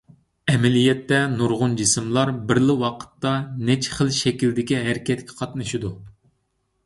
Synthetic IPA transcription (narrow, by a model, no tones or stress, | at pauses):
ɛmɛlijɛt̪ːɛnuɾʁʊnd͡ʒisɪmlˠɑɾbɪɾlɪwɑqʰə̥t̪ːɑnɛt͡ʃʰχəlˠʃɛkʲild̪ɪkʲiɦæɾɪkʲɛt̪kʲʰɛ̥qʰɑt̪nɨʃid̪u